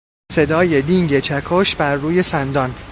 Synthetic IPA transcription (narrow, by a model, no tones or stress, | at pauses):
se̞d̪ɒːje̞d̪iŋɟet͡ʃʰækʰoʃbæɾːuːje̞sænd̪ɒːn